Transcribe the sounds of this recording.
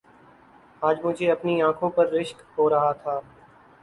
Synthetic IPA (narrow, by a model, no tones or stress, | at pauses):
aːd͡ʒmʊd͡ʒʱeːɐpniãːkʰõːpɐɾːɪʃkɦoːɾɐɦat̪ʰaː